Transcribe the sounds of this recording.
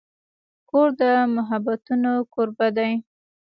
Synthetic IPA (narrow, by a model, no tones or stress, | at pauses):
koɾd̪əmʊɦabat̪unokoɾbad̪aj